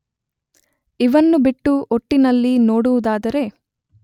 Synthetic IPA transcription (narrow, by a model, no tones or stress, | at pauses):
iʋɐnːubiʈːuʔoʈːinɐlːinoːɽuʋud̪aːd̪ɐɾe̞